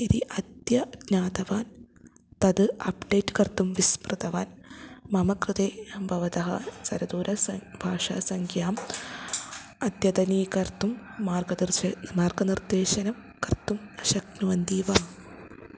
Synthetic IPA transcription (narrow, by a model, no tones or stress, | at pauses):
id̪iʔɐd̪jɐɡɲaːd̪ɐʋaːn | t̪ɐd̪ɨɐpɖeːʈːɨ̥kɐrt̪ːumʋismrɨt̪ɐʋaːnmɐmɐkrɨt̪eːbʱɐʋɐd̪ɐɦɐ̰sɐɾɐd̪uːɾɐsɐbʱaːʂa̰ːsɐŋkʰjaːm | ɐd̪jɐd̪ɐniːkɐrt̪umːaːrɡɐd̪irmaːrɡɐnird̪eːɕɐnɐm | kɐrt̪ːumɐʃɐknuʋɐnd̪iːʋaːm